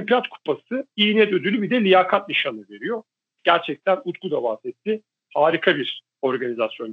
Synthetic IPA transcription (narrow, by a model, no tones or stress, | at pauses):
mpɾat̪kʰu̥pʰasɯiːnɛd̪ød̪ylʲybid̪ɛlʲijaːkʰat̪niʃanɯve̞ɾijo̞ | ɟ̥æɾt͡ʃʰɛc̚t̪ʰænut̪ɡud̪abazɛt̪ʰːi | haːɾikʰabiɾ | o̞ɾɡanizasjo̞n